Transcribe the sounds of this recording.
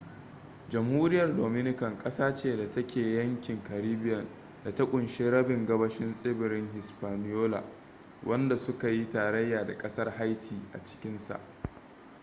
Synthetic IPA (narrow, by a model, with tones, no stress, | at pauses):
d͡ʒɐ˨mhuː˦ɾɪ˦jɐ˨rdoː˨mɪ˦nɪ˦kɐ˨ŋkʼɐ˦saː˦t͡ʃeː˦da˨tɐ˦kʲʰeː˨jɐ˦ŋkʲɪ˨ŋkɐ˨ɾiː˦bɪ˦jɐ˨n | da˨ta˦kʷʼʊ˨nʃeː˦ɾɐ˦bɪ˨ŋɡɐ˦bɐ˦ʃɪ˦nsʼɪː˦bɪ˨ɾɪ˦ŋɦɪ˨spaː˨nɪ˦joː˦la̰˨ | wʔɐ˦nda˨sʊ˦ka˨ji˦taː˨ɾɐ˦jːaː˨da̰˨kʼɐ˦sɐ˦rɦa˦jtʰiː˨ʔa̰˨t͡ʃɪ̥˦kʲɪ˦nsa̰˨ʔ